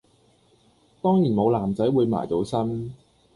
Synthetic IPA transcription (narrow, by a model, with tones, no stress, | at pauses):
t̪ɔː˥ŋjiː˨˩nmo˨˧wlaː˨˩mt͡sɐ˨˥jwuː˨˧jma̰ː˨˩jt͡so˨˥wsɐ˥n